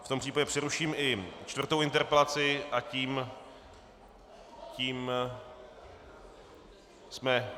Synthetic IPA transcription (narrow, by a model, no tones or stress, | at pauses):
ft̪ompr̥iːpaɟɛpr̥ɛɾuʃiːmʔɪt͡ʃt̪vr̩t̪owʔɪnt̪ɛɾpɛlat͡sɪʔaciːm | ciːm | smɛ